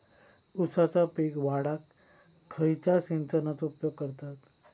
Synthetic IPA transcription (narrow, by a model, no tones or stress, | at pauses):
usat͡sapiɡʋaɽakʰː | əjt͡ɕasẽnt͡sənat͡supjoɡ̚kːəɾt̪at̪